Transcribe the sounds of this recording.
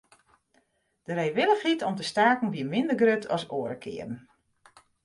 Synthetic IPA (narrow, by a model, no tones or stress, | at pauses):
d̥əɾejʋɪləxhitʰɔmtəstaːkn̩ʋiəmɪndərɡrøtʰɔ̰soːəɾəkʰɪ̰ːərən̩